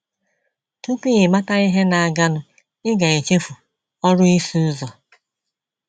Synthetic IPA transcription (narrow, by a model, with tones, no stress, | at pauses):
tu˦ki˦i˨ma˦ta˦i˦ɦe˦na˨a˨ɡa˦nʊ˨ | ɪ˦ɡa˨e˨t͡ʃe˦fu˨ | ɔ˦ɾʊ˦i˦su˦zɔ˨